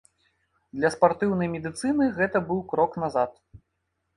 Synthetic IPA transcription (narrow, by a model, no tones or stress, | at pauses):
d̪lʲɐspart̪ɨwnɐjmʲɛd̪ɨt̪sɨnɨɣɛt̪ɐbɨwkɾɔknazat̪